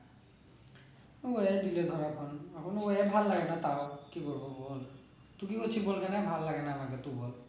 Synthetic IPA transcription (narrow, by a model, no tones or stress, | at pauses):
ɔɛdilɛd̪ʱɔɹakʰɔnapʰɔnɔɛbʱalːaɡɛnat̪awkikɔɹbɔbɔl | t̪ukikot͡ʃʰibolkanɛbʱalːaɡɛnaːmakɛt̪ubɔl